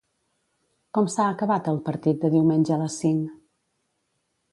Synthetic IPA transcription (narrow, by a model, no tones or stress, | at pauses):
kɔmsaəkəβat̪əlˠpəɾt̪it̪̚d̪əðiwmenʲʒəələsːiŋ